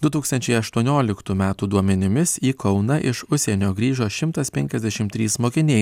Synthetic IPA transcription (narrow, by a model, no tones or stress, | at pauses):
d̪ʊt̪uːkst̪ɐnʲt͡ʃʲɛɪɐʃt̪uɔnʲoːlʲɪkt̪uːmʲæːt̪uːd̪uɔmʲɛnʲɪmʲɪsiːkɐʊnɐʔɪʃʊʃsʲenʲoːɡɾʲiːʒoːʃʲɪmt̪ɐspʲɛŋʲkʲɛzʲd̪ʲɛʃʲɪmt̪ʲɾʲiːsmoːkʲɪnʲɛɪ